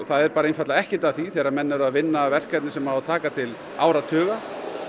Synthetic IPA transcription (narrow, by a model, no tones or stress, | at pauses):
θaðɛɾpaːɾainfat̪laɛhcɪt̪aðθviθɛːɾamɛnːʏɾaðvɪnːavɛr̥kɛt̪nɪsɛmahat̪ʰaːkat̪ʰɪl | aːwɾat̪ʰœːɣa